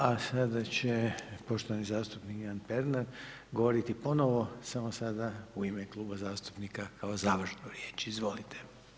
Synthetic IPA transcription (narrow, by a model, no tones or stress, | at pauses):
asad̪at͡ɕepo̞ʃt̪oʋanizaːst̪upnikanpe̞ɾnaɾ | ɡo̞ʋo̞ɾit̪ipo̞no̞ʋo̞samosad̪auimeklˠuːbazaːst̪u̥pnikakʰao̞zaːʋrʃnoɾje̞ːt͡ʃizʋo̞lit̪ʰe̥